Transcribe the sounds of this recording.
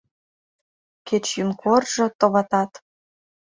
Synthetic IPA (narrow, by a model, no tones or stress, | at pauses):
ket͡ɕjynkʰorʒɤ̆t̪oβɑt̪ɑt̪